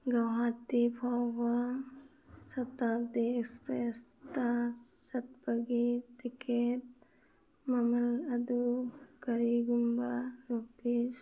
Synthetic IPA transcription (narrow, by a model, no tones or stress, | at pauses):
ɡɐwɦãːt̪ːipʰɔʋa | sɐt̪aːd̪iekspɾest̪asɐt̪̚bɐɡit̪iket̪̚ | mɐmɐlɐd̪ukɐɾiɡumbaɾopis